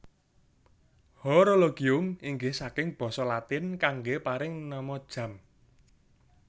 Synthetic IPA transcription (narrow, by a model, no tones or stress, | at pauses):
hɔɾoloɡ̥iʊmiŋɡɪhsakɪŋb̥ɔ̤sɔlat̪ɪnkaŋɡepaɾɪŋnɔmɔd̥ʒ̥ä̤m